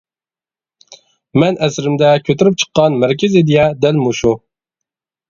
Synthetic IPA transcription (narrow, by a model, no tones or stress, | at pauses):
mɛnɛsɾɪmd̪ɛkʲʰøt̪yɾyp̚t͡ʃʰə̥qːɑnmæɾkʲʰɪzɪd̪ijɛd̪ɛlmuʃu